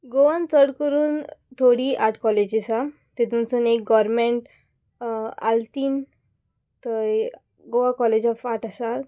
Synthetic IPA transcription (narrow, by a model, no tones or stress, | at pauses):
ɡoʋant͡səɽkəɾuːnt̪ʰoɽiʔaʈʰkɔled͡ʑisa | t̪et̪unt͡sunek̚ɡɔɾmẽɳʈ | a̰lt̪iːn | t̪ə | ɡoʋakɔled͡ʑɔfaʈasa